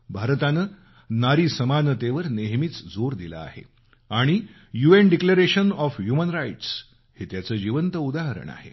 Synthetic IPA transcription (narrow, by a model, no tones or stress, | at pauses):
bʱaɾt̪anəː | naɾiːsəmanət̪eʋəɾneɦmit͡sd͡zoɾd̪ila̰a̰hḛ | aɽ̃i | juenɖikləɾeɕənɔfɦjumənɾajʈs | het̪jat͡səːd͡ʑiʋənt̪əud̪aɦəɾə̰ɳa̰hḛ